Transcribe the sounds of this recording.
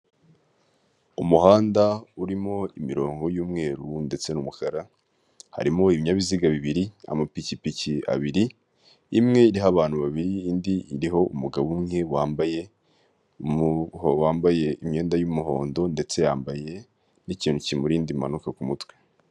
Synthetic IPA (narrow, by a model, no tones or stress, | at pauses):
umuhaːndauɾimo̞imiɾo̞ːŋɡo̞juːmŋe̞ːɾunde̞t͡se̞numukaɾa | ha̰ɾimo̞iβiɲaβiziɡaβiβiɾia̰mapicipicia̰βiɾi | imŋe̞iɾiɦaβaːn̥huβaβiɾiːndiːɾiɦo̞umuɡaβumŋe̞waːmbaje̞ | howaːmbaje̞imɲe̞ːndajumuɦo̞̰ːndo̞nde̞t͡se̞jaːmbaje̞ | niciːn̥ucimuɾiːndima̰nukakumutwe̥